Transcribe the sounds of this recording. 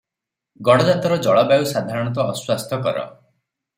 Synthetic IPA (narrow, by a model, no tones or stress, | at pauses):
ɡɔɽɔd͡ʒat̪ɔɾɔd͡ʒɔɭɔbawsad̪ʱaɾɔɽ̃ɔt̪̬ɔːswast̪ʰɔkɔ̰ɾɔ̰